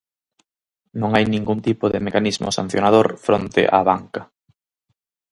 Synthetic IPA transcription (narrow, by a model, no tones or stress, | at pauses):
nõŋajnĩŋɡunt̪ipʊðɪmekanizmʔʊ̰sã̰n̟θjonað̞oɾfɾont̪ɪ̰ʔa̰βaŋkɐ